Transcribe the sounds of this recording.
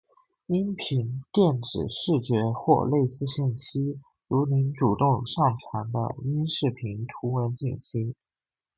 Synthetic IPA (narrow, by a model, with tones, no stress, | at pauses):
i˥npʰi˧˥nt̪jɛ˥˩nʈ͡ʂɻ̩˨˩ʂɻ̩˥˩t͡ɕɥɛ˧˥xwɔ̰˥˧le˥˧ɪsɹ̩˥˧ɕi˥˩nɕi˥ | ɻu˧˥ni˧˥nʈ͡ʂu˨˩t̪ʊ˥˧ŋʂɑ˥˩ŋʈ͡ʂʰwa˧˥nd̪ə̰˧i˥nʂɻ̩˥˩pʰi˧˥nt̪ʰu˧˥wə˧˥nt͡ɕi˥˩ŋɕi˥